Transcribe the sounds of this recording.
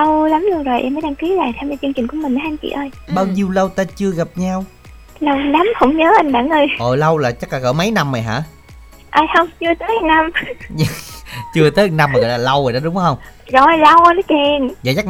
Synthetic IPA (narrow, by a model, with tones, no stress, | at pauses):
lə˧wla˨˦mlu˧əŋzo˨˩jʔɛ̰˧mːəː˨˦jɗaː˧ŋki˨˦la̰ː˧˨jt̪ʰwɲa˧t͡ɕɨ˧ŋt͡ɕï˨˩ŋ̟ku˧˩əmï˨˩ŋʔa˨˦jʔa˧nt͡ɕḭ˧˨ʔəː˧jɓaː˧wɲi˧əwlə˧wt̪aː˧t͡ɕɨ˧əɣa˨˩p̚ɲa˧w | lə˧wna˨˦mhə̰˧˥wŋ͡mɲəː˨˦ʔa˧jŋ̟ɓaː˧˩ŋʔəː˧jʔəː˨˩lə˧wlaː˨˩t͡ɕa˦˥laː˧˩ɣəː˧˩˦mə˨˦jna˧mːa˨˩jɦa̰ː˧˥ | ʔaː˧˩jhə˧wŋ͡mt͡ɕɨ˧ət̪əː˨˦˧na˧m˧ | t͡ɕɨ˧ət̪əː˨˦˨na˧mːaː˨˩ɣɔ̰˧˨laː˨lə˧wəː˨˩ɗɔ˨˦ɗʊ˨˦ŋ͡mhə˧wŋ͡mzɔ˧˩˨lə˧wnɔ˨˦t͡ɕɛ˧˩nzə̰˧˩ja˦˥k̚